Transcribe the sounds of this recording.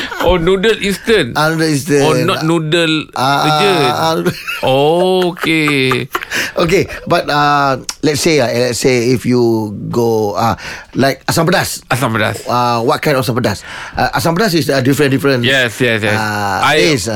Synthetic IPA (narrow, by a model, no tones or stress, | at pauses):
ɔnudəlĩnstə̃nanudəlĩnstə̃ɔnɔtnudəlaə | okʰe | ʔokebat̚alɛt̚seaɛ̃lɛtseifjuɡoalaɪk̚asãmp̬ədasasãmpəda̰sawɔt̚kãj̃ndɔfsãmpədasʔaʔasãmpədas̬isədifɹə̃ndifɾə̃njɛsjɛsjɛaaes